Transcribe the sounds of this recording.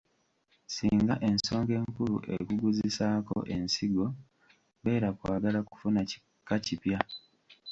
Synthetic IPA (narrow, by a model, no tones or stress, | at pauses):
siːŋɡaʔe̞nso̞ːŋɡe̞ːŋkulṵʔḛkuɡuzisaːko̞̰ʔe̞nsiɡo̞ | βe̞ːɾakwaːɡalaku̥funa | kacipja